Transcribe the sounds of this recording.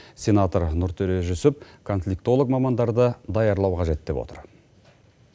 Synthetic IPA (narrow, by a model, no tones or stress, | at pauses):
sʲe̞nat̪oɾnʊɾt̪ʰɵɾe̞ʒʏsʏp̚kʰo̞nflʲikt̪o̞lˠək̚mɑmɑnd̪ɑɾd̪əd̪ɑjɑɾlˠɑwqʰɑʒe̞t̪̚d̪̥e̞pwo̰t̪əɾ